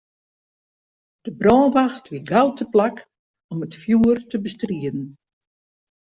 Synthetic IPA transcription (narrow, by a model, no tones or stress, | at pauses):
d̥əbrɔːnʋaxtʋiɡawtʰəplak | ɔmətfjuərtəbəstriədn̩